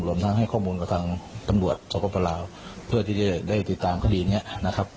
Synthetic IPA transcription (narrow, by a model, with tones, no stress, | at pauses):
ɾu˧˩əmt̪ʰa˦˥ŋɦa˥˩jkʰɔː˥˩muː˧nka˧t̪ʰaː˧ŋt̪a˧mɾu˨˩ət̪̚so˨˦˥kɔː˧˩pɔː˧laː˧w | pʰɯ˥˩ət̪ʰiː˥˩t͡ɕa˧˩daː˥˩jt̪i˨˩t̪ːaː˨˩mkʰa˧˩diː˧ni˦˥ɐʔna˦˥kʰa˦˥p̚